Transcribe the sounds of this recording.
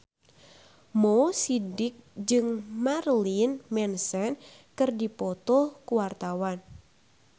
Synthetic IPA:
mɔsidɪk̚d͡ʒɨŋmarlinmɛnsɛn | kɨrdipɔt̪ɔkuwart̪awan

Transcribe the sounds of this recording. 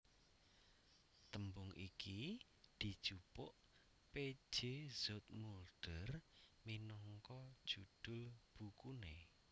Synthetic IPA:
t̪əmbʊŋʔḭki | d̪̥i̤d̥ʒ̥upʊʔ | pe̥ʒ̥ez̥ɔt̪̚mulɖ̥ərminɔŋkɔd̥ʒ̥ud̪̥ʊ̤lb̥ukune

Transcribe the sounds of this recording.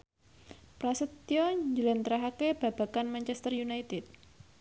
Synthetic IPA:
pɾasət̪ːiɔd͡ʒəlant̪ɾaɦakeb̥a̤b̥a̤kanmaɲt͡ʃɛst̪ərjunajt̪ɪt̪̚

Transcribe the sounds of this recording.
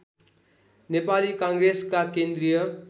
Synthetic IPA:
nepalikʌŋɡreskakend̪rijʌ

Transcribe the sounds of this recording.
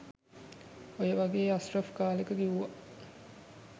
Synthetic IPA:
ojəʋɐɡeːasrɐfkaːlekəɡiʋuʋaʔ

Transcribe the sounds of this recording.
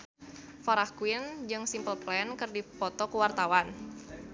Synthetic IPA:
faɾahkuwind͡ʒɨŋsimpəlplɛnkɨrdipɔt̪ɔkuwart̪awan

